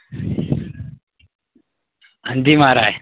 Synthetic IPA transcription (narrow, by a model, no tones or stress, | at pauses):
ənd̪ʱimaːɾaːje